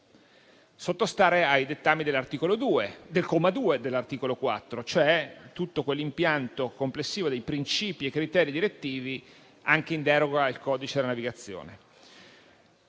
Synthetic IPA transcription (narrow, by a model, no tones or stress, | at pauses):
sot̪ːost̪aːɾeajd̪et̪ːamːid̪elart̪ikolod̪ued̪elkomad̪uːed̪elːart̪iːkolokwa̰t̪ːɾot͡ʃoɛt̪ut̪ːokwelːimpjant̪okomplesːiːvod̪ejpɾint͡ʃiːpiekːɾit̪ɛːɾid̪iɾet̪ːiːvi | aŋk̟eind̪ɛːɾoɡailkɔːd̪it͡ʃed̪elanaviɡat̪sːjo̰ːne